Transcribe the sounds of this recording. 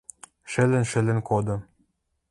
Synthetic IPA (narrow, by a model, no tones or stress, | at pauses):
ʃɘ̆lɘ̆nʃɘ̆lɘ̆nkod̪ɤ̆